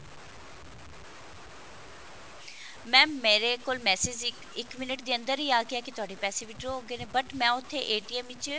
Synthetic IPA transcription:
mɛ̃ːmeːɾekoːlmɛːseːd͡ʒ | ɪkmɪnəʈd̪iːə̃nd̪əɾiːaːkɪjaːkɪt̪ʊaːɖeːpɛːseːʋɪʈɾoɦoːɡeːneːbəʈmɛ̃ːʊt̪ʰːeʔeːʈiːɛːmʋɪt͡ʃ

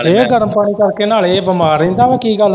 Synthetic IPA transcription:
eːɡəɾəmpəɳ̃iːkəɾkeːnaːleːbəmaːɾẽːnd̪aːʋeːkiːɡəl

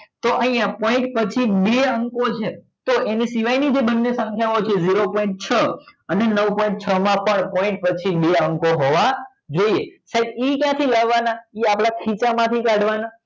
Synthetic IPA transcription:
t̪oʔəɦĩjãpɔɪ̃ɳʈpət͡ʃʰibeəŋkot͡ʃʰe | t̪oʔenisiʋajnid͡ʒebənːesə̃ŋkʰjaot͡ʃʰeziɾopɔ̃ĩɳʈ̚t͡ʃʰəənenəʋpɔĩɳʈ̚t͡ʃʰəmãpəɳpɔɪ̃ɳʈ̚pət͡ʃʰibeəŋkoɦoʋa | d͡ʒoiesaib̪ikjãt̪ʰilaʋanaiapɭakʰit͡ʃamãt̪ʰikaɽʋana

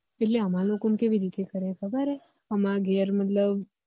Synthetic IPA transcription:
eʈleəmãlokomkeʋiɾit̪ekəɾekʰəbəɾe | əmãɡʱɛɾmət̪ləb̚

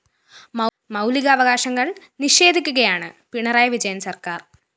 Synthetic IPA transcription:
mɐ | mɐwliɣɐːʋɐɣaːʂɐŋːɐɭniɕe̞ːd̪ʱikʲːuɣɐjaːɳɨpiɳɐraːjɐʋid͡ʑɐjɐmsɐrkaːr

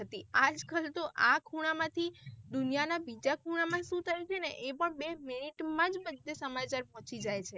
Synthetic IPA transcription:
ət̪iad͡ʒkəlt̪oʔakʰuɽ̃amãt̪ʰid̪unjanabid͡ʒakʰuɽ̃amãʃũt̪əɾikʰeneʔepəɳbeminiʈmãd͡ʒbəd̪ʱːesəmat͡ʃaɾpɔɦt͡ʃid͡ʒajt͡ʃʰe

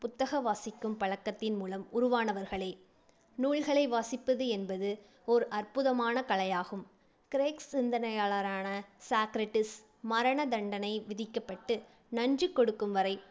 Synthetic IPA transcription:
pʊt̪ːɐɣɐʋaːsɪkːɯmpɐɻɐkːɐt̪ːɪnmuːlɐmʊɾʊʋaːnɐʋɐɾɣɐɭeː | nuːɭɣɐɭɐɪʋaːsɪpːɐðɯɛnbɐðɯ | ɔɾɯʔɐrpɯðɐmaːnɐkɐɭɐjaːɣɯm | kɪɾeːksɪnd̪ɐnɐjaːɭɐɾaːnɐsaːkɾɐʈːɪs | mɐɾɐɳɐd̪ɐɳɖɐnɐɪʋɪðɪkːɐpːɐʈːɯ | nɐnd͡ʒɯkːɔɽɯkːɯmʋɐɾɐɪ

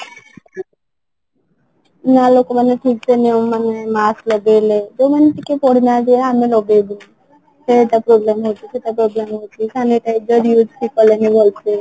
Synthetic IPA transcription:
nalokomaneʈʰik̚sʰeniomːanemaslɔɡeled͡ʒomaneʈ̪ikepɔɽinad̪ieamilɔɡebu | ʃeeʈapɾoblemɦot͡ʃʰiʃeʈapɾoblemɦojt͡ʃʰikaniʈaed͡ʒɔɾijud͡ʒʈʰikɔlenibolt͡ʃʰe

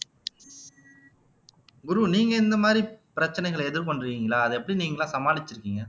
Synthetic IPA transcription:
ɡʊɾuniːŋɡɐɪnd̪ɐmaːd̪ɾipɪɾɐt͡ʃːɐnɛɪɣɐɭɛðɪɾpoɳɖɾɯʋiːŋɡɐɭaːɐðɯɛpːɐɽiniːŋɡɐɭãːsɐmaːlɪt͡ʃːɪɾɯkːiːŋɡɐ

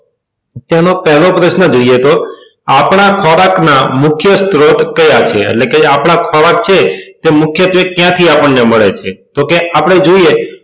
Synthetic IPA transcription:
t̪anopɛɦlopɾəʃnəd͡ʒoijet̪o | apɽ̃akʰɔɾaknamʊkʰjəst̪ɾot̪kəjat͡ʃʰḛḛʈlekeapɽ̃akʰɔɾak̚t͡ʃʰet̪emʊkʰjət̪ʋekjãt̪ʰiapəɳːeməɭet͡ʃʰet̪okeʔapɽ̃ed͡ʒoije

